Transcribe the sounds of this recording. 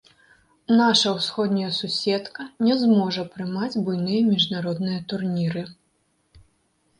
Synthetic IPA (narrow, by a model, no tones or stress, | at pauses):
naʂɐwsxɔd̪nʲɐjɐsusʲɛt̪kɐnʲɛzmɔʐɐpɾɨmad͡zʲbujnɨjɐmʲiʐnaɾɔd̪nɨjɐt̪urnʲiɾɨ